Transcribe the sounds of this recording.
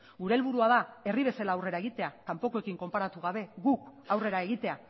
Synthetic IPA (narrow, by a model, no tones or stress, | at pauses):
ɡuɾe̞ːlβuɾuað̞ae̞riβ̞e̞salaːwre̞ɾae̞ɣit̪e̞akampo̞koe̞kiŋko̞mpaɾat̪uɣ̞aβ̞e̞ɣukawre̞ɾae̞ɣ̞it̪e̞a